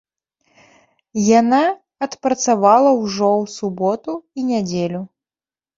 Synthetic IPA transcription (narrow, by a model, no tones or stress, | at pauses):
jana | ɐt̪pɾɐt̪savalˠɐwʐɔwsubɔt̪uinʲad͡zʲelʲu